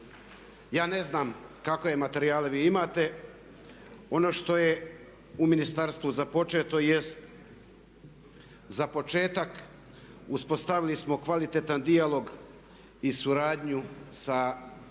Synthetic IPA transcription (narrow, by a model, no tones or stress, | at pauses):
jaːne̞znaːmkakoje̞mat̪e̞ɾiaːleʋiːimaːt̪e̞ | o̞no̞ːʃt̪o̞je̞ | uminist̪aɾst̪ʋuzapo̞t͡ʃe̞t̪o̞jest̪ | zapo̞t͡ʃe̞ːt̪ak | uspo̞st̪aʋilismo̞kʋalit̪et̪and̪ialo̞ɡ | isuɾaːd̪ɲusa